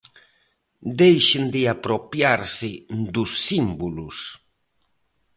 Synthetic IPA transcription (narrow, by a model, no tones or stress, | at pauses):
d̪ejʃɪnd̪ɪapɾopjaɾsɪnd̪usːimbulus